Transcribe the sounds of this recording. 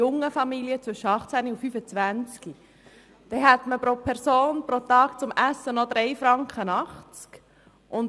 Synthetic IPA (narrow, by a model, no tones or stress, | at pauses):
ʊŋːəfɑmiliət͡sʋvʏʃəɑχt͡sæniufyfət͡sʋænt͡ski | d̥ɛɦæt̪məpɾopʰɛɾsoːnpɾot̪ɑːk̚t͡sʊmʔæsːənɔd̪ɾɛɪfɾɑŋkχənɑχt͡sk | ʔʊn